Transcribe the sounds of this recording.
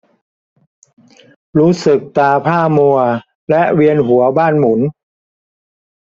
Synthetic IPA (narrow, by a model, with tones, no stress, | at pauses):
ɾuː˦˥sɯ˨˩k̚t̪aː˧pʰaː˥˩mu˧ɐ | lɛ˦˥ʔwi˧ənɦu˩˦ɐbaː˥˩nmu˩˦n